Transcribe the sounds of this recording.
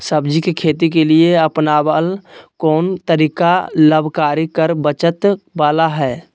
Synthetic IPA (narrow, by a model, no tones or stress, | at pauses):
səbd͡ʒikekʰeːt̪ik̬elieəpnabəlkɔːnt̪əɾiːkaləbʱkaːɾikəɾbət͡ʃət̪baːlaɦɛː